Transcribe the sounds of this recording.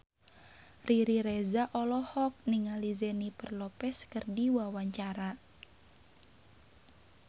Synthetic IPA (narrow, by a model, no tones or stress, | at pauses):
riɾiɾɛzaʔɔlɔhɔk̚niŋalizɛnipərlɔpɛskərdiwawaɲt͡ʃaɾa